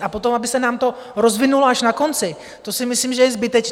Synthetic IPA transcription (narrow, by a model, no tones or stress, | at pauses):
apot̪o̞mabɪsɛnaːmt̪o̞ | ɾo̞zvɪnuloaʃnako̞nt͡sɪ | t̪o̞sɪmɪsliːmʒɛjɛzbɪt̪ɛt͡ʃ